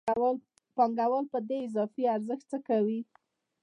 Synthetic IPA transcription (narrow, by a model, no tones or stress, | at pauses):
pɑŋɡawəlpəd̪eɪzɑfiaɾzəxt̪̚t͡səkawi